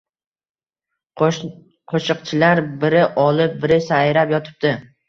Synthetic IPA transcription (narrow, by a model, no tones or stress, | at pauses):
qʰoʃɨqt͡ʃʰɪlaɾbɪɾɪʔɒlˠɪp̚bɪɾɪsajɾapjɒt̪ʰɪ̥p̚d̪ɪ